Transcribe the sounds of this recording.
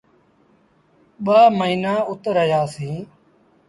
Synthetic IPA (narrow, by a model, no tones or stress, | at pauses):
ɓaːməiːnãːʊt̪ɾəjaːsĩː